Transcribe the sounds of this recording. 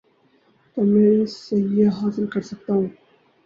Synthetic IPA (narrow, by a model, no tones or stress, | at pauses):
t̪omẽsɐɦijaɦaːsɪlkɐɾsɐk̚t̪aːɦũː